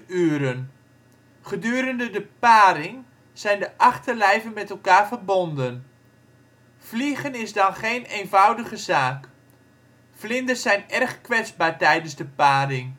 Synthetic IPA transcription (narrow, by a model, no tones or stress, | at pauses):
yəɾən | χədyːɾəndədəpaːɾɪŋ | z̥ɛjndəʔɑχtəlɛjvənmɛtəlˠkaːɹvərbondən | fliɣənɪzdɑnχejnejnvʌwdəɣəzaːk | flɪndəszɛjnɛrχkʋɛt͡sbaːɹtɛjdənzdəpaːɾɪŋ